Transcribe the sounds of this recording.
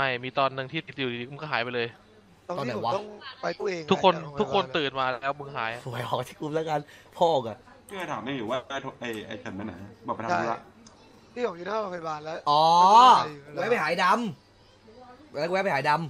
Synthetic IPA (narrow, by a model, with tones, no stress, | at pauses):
ma˥˩jmiː˧t̪ɔː˧nːɯ˧ŋt̪ʰiː˥˩t̪i˦˩˧u˨˩i˨˩˨i˧˦˧kːɦaː˩˦jpa˧jlɤː˧j | ɔ˧tɔː˧˥na˨˦˩wa˦ɔ˥˩ŋpa˧jt̪u˥˩ʔeː˧ŋʰu˦˥kʰːo˧nt̪ʰu˦˥kʰːo˧nt̪ɯː˨˩nmaː˧lɛː˦˥wmɯ˧ŋɦaː˩˦jfʰu˨˩˦əjʔɔː˨˩t̪ʰiː˥˩ku˧mlɛ˦˥kaː˧npʰɔː˧˥˨ka˨˩ʔʰ | iː˥˩ka˧˩t̪ʰaː˩˦maː˧˥˩juː˨˩˦waː˥˩aː˧˩jt̪ʰo˧ʔa˧˩jʔa˧˩jkʰɯ˨˩nma˧na̰˨˩˦ɔː˨˩p̚a˧a˨˧˦la˧˩˦ʔ | t̪ʰiː˥˩bɔ˨˩k̚juː˧naː˦˥˩ɾa˧kʰːjbaː˧˩nlɛ˦˥ʔɔː˨˧˦ | wɛː˦˥pʰa˧˨jɦaː˨˩˦jda˧m | lɛː˦˥kwɛː˦˥pʰjhaː˨˦jda˧m